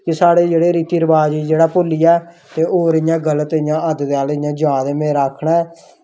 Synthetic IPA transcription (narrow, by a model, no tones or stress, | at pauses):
kɪsaːɽeːd͡ʒeːɽeːɾiːt̪iːɾəbaːd͡ʒid͡ʒeːɽaːpoːliːɛː | t̪eːoːɾɪjãːɡələt̪ɪjãːəd̪d̪eːaːlɪjãːd͡ʒãːd̪eːmẽːɾaːkʰɳaː